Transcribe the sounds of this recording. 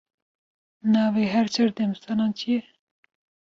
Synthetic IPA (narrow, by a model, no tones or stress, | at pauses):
nɑːveːɦɛɾt͡ʃʰɐɾd̪ɛmst̪ʰɑːnɑːnt͡ʃʰijɛ